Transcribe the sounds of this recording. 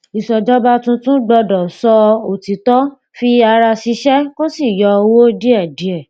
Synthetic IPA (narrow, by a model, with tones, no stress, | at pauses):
i˨sɔ˨d͡ʒɔ˦ba˦tũ˧tũ˦ɡ͡bɔ˧dɔ˨sɔ˧o˨ti˨tɔ˦ | fi˧a˧ɾa˧si˧˦ʃɛ˦ko˦si˦˨jɔ˧o˧wo˦di˦ɛ˦˨di˨˦ɛ˦˨